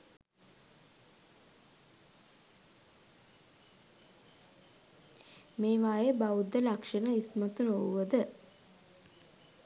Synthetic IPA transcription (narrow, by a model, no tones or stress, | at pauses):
meːʋaːjebaud̪ːəlakʂənəismat̪unouʋəd̪ə